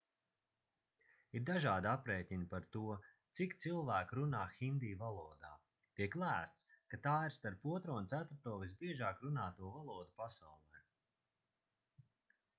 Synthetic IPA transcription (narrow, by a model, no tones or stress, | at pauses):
iɾd̪aʒaːd̪apɾɛːt̪ʲiɲʲpaɾt̪uɔt̪sikt̪silˠvæːkɾunaːxind̪iːvalˠuːɔd̪aː | t̪iɛklˠæːst̪skat̪aːiɾst̪aɾpuɔt̪ɾuɔnt̪sæt̪ɾut̪uɔvisbiɛʒaːkɾunaːt̪uɔvalˠuɔd̪upasawlˠɛj